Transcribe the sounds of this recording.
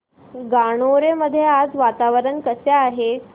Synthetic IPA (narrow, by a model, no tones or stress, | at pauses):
ɡaɽ̃oɾeməd̪ʱːjead͡zʋat̪aʋəɾəɳkəsaaɦe